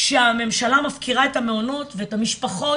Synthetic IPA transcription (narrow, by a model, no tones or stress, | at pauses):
ʃeame̞mʃalamafkʰiʁaetame̞ono̞tveetamiʃpaχo̞